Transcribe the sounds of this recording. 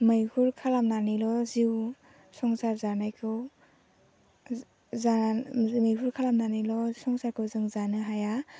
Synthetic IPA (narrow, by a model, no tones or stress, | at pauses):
mɯjhuɾkʰalamnanilɔziw | sɔŋsaɾzanajkʰɯw | zamɯjɦuɾkʰalamnanilɔsɔŋsaɾkʰɯwzɯŋzanɯɦaja